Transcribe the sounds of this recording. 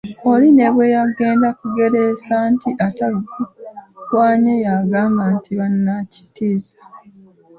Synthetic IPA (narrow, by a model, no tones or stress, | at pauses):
o̞line̞βwe̞jaɡe̞ːndakuɡe̞ɾe̞santiʔataɡ | kwaːɲojaɡaːŋɡantʰiβanːaci̥tiːzḁ